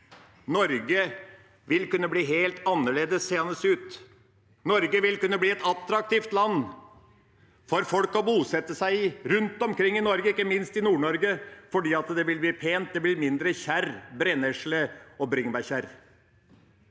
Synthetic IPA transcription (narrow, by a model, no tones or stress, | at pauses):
nɔɾɡə | ʋɪlkʉnːəbliːɦeːlt̪ɑnːəɭeːd̪əsːeːɑnəsʉːt̪ | nɔɾɡəʋɪlkʉnːəbliːɛt̪ɑt̪ɾɑk̚t̪iːft̪lɑnː | fɔɾfɔlkɔbuːsɛt̪ːəsæɪɾʉnt̪ɔmkʰɾɪŋːɪnɔɾɡəɪkːəmɪnst̪ɪnuːɳɔɾɡəfɔɖiːɑt̪d̪ɛʋɪlbliːpʰeːnt̪̚d̪ɛblɪɾmɪnd̪ɾəçæɾbɾɛnɛʂləɔbɾɪŋbæɾçæɾ